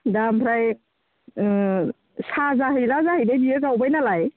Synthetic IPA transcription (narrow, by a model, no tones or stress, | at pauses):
dampʰɾaj | sazaɦɯjlazahɯjbajbiɯɡawbajnalaj